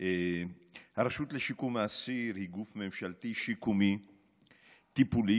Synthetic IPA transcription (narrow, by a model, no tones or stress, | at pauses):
e | haɾaʃut̪leʃikumaːsiɾhiɡufmemʃalt̪iʃikumi | t̪ipuli